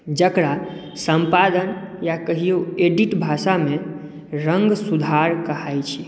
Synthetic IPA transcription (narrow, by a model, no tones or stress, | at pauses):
d͡ʒəkɾa | səmpad̪ənjakəɦijoeɖiʈbʱasame | ɾəŋɡsud̪ʱaɾkəɦajt͡ʃʰi